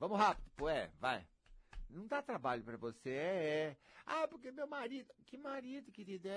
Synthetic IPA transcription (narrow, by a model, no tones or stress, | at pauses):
vɐ̃mʊɦapid̪ʊpoɛ̰va̰j | nɐ̃d̪at̪ɾabaʎʊpɾɐvoseɛɛapoɾkemewmaɾid̪ʊkɪmaɾid̪ʊkɪt̪id̪ɛ